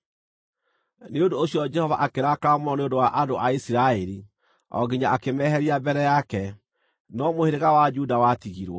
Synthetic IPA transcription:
neondoːsjɔd͡ʒɛhɔva̰ʔakeɾakamɔneondowaʔandoʔaisiɾaɛɾi | ɔ̰ɡiɲaakemɛɦɛɾiabɛɾɛjakɛ | nɔmoheɾeɣawad͡ʒudawatiɣiɾwɔ

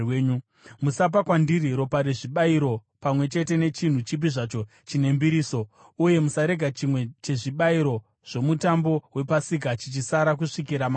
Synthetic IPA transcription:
ɲu | musap̬akwandiriɾo̞paɾeʐiɓaiɾo̞ | pamwe̞t͡ʃe̞te̞ne̞t͡ʃin̤ut͡ʃip̬iʐat͡ʃo̞ | t͡ʃine̞mbiɾiːso̞ | uje̞musaɾe̞ɡʱat͡ʃimwe̞t͡ʃe̞ʐiɓaiɾo̞ | ʐ̥o̞mutambo̞we̞pasik̬at͡ʃit͡ʃisaɾak̬uʂikiɾama

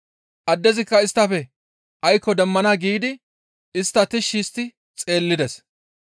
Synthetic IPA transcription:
ʔɐd̪ːɛzɪkːɐɪst̪ːɐfɛ | ʔɐjkːɔd̪ɛmːɐnaɡiːd̪ɪ | ɪst̪ːɐt̪ɪʃːiːst̪ːɪ | t͡sʼe̞ːlːɪd̪ɛs

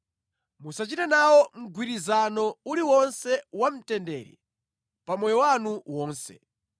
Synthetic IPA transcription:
musat͡ʃitɛnawɔm̩ɡwiɾizanɔuliwɔnsɛwam̩tɛndɛ̰ːɾḭ | pamɔjɔwanuwɔːnsɛ̰

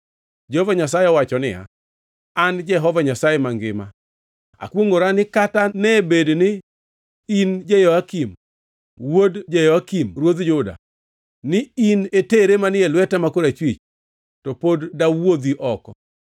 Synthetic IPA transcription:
d͡ʒɛhɔvaɲasajeɔwat͡ʃɔnɪ̰a̰ | and͡ʒɛɦɔvaɲasajemaŋɡɪma̰ | a̰kwoŋoɾanɪkatanɛbednɪ | ind͡ʒejɔakim | wodd͡ʒejɔakimɾwod̪d͡ʒʊda̰ | nɪineteɾemanɪelwɛtamakoɾat͡ʃwit͡ʃ | tɔpodːawod̪iʔɔkɔ

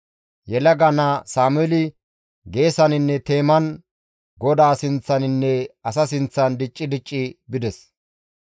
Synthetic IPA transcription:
jɛlɐɡɐnasaːmʊɛlɪ | ɡe̞ːsɐnɪnːɛt̪e̞ːmɐn | ɡɔd̪aːsɪnt͡sːɐnɪnːɛɐsɐsɪnt͡sːɐnd̪ɪt͡ʃʼːɪd̪ɪt͡ʃʼːɪbɪd̪ɛs

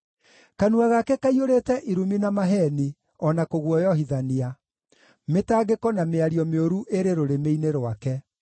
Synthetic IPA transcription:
kanuaɣakɛkaioɾeːtɛʔiɾuminamaɦɛni | ɔnakoɣwɔjɔɦiðania | metaɣekɔnameaɾiɔmeoɾuʔeɾeɾoɾemeineɾowakɛ

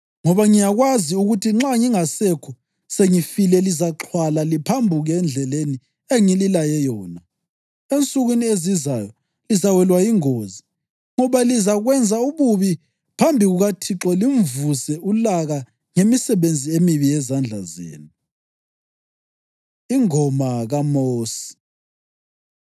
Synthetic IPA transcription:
ŋɔβaŋijaɣwaziuɣutʰiŋ͡ǁaŋiŋasɛkʰɔ | seŋifilɛlizaǁʰwalalipʰambʱuɣɛnd͡ɮʱɛleni | eŋililajɛjɔːna | ent͡sʼuɣwinieziza̰jɔ | lizawɛlwajiŋoːzi | ŋɔβalizaɣwɛnd͡zʱauβuβi | pʰambʱiɣuɣatʰiǁɔlim̩vusɛʔulaɣa | ŋemisɛβend͡zʱiemiβiɛzand͡ɮʱa̰zḛːnu | iŋɔmaɣamoːsi̥

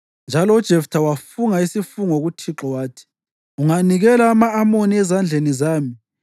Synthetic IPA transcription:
nd͡ʒʱalɔud̥ʒ̥ʱeftʰawafuŋaisifuŋɔɣutʰiǁɔwaːtʰi̥ | uŋaniɣɛlaːmaːmoniɛzand͡ɮʱenizaːmi

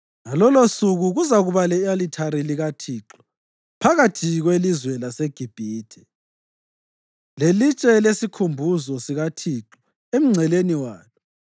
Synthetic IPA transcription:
ŋalɔlosuɣuɣuzaɣuβalɛalitʰaɾiliɣatʰiːǁɔ̥ | pʰaɣatʰiɣwelizwɛlaseɡ̥ʱib̥ʱiːtʰɛ̥ | lelit͡ʃʼɛlesikʰumbʱuzɔsiɣatʰiːǁɔ̥ | em̩ŋ͡ǀʱɛleniwaːlɔ

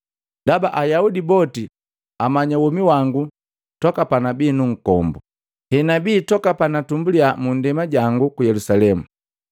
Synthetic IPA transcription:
dabaʔajaudibɔti | amaɲawɔmiwaŋɡu | tɔkapanabiːnuŋ̩kɔ̰mbu | hɛnabiːtɔkapanatumbuliamundɛmaɟaŋɡukujɛlusalɛmu

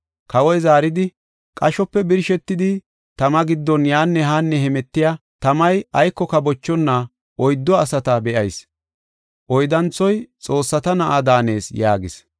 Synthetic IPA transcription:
kɐwɔjzaːɾɪd̪ɪ | kʼɐʃɔpːɛbɪɾʃɛt̪ːɪd̪ɪ | t̪ɐmɐɡɪd̪ːɔnjaːnːɛɦaːnːɛhɛmɛt̪ːɪjat̪ɐmɐjɐjkːɔkɐbɔt͡ʃːɔnːa | ʔɔjd̪ːɔɐsɐt̪ɐbɛʔɐjs | ʔɔjd̪ɐnt͡sːɔjt͡sʼo̞ːsːɐt̪ɐnɐʔad̪aːne̞ːsjaːɡɪ̰s

